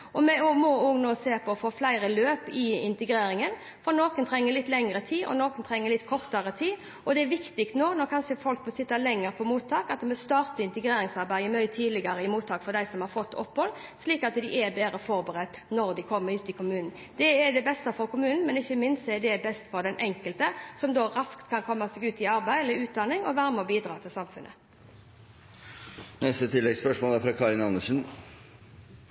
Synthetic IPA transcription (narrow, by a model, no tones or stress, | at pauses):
ɔmɛɔmɔoːɡnoːseːpʰɔfoːflæɪɾəløːpɪɪnt̪ɛɡɾeːɾɪŋən | fɔɾnoːkənt̪ʰɾɛŋːəlɪt̪ːlɛŋəɾət̪ʰiːʔɔ̰noːkənt̪ʰɾɛŋːəlɪt̪ːkʰɔʁt̪əɾət̪ʰiː | ɔd̪ɛɛɾʋɪkt̪ɪkt̪noːnɔɾkʰɑnʂəfɔlkmɔsɪt̪ːəlɛŋːəɾpʰɔmuːt̪ʰːɑːkɑt̪mɛst̪ɑːɾt̪əɪnt̪əɡɾeːɾɪŋsɑɾbæɪəmœʏət̪ʰiːd̪lɪɡɑɾəɪmuːt̪ʰːɑːkfɔɾd̪æɪsɔmhɑɾfɔt̪ːɔ̰pːhɔlːsliːkɑt̪d̪ɪʔɛbeːɾəfɔɾbəʁɛt̪ːnɔʁd̪ɪkʰɔmːəɾʉːt̪ɪkʰʊmʉːnn̩ | d̪ɛɛd̪ɛbɛst̪ɑfɔɾkʊmʉːnn̩mɛnɪçːəmɪnst̪ɛɛd̪ɛbɛst̪fɔɾd̪ɛnʔɛŋkəlt̪əsɔmd̪oːɾɑskt̪kʰɑnkʰɔmːɑsɛɡʉːt̪ɪɑɾbæɪɛlːəʉːt̪̚d̪ɑnɪŋɔʋæɾmɔbiːd̪ɾɑːt̪ʰɪlsɑmfʉnʔə̰ | nɛst̪ət̪ʰɪlːɛɡspœʂmoːlæfɾɑkʰɑɾɪnɑnəʂn̩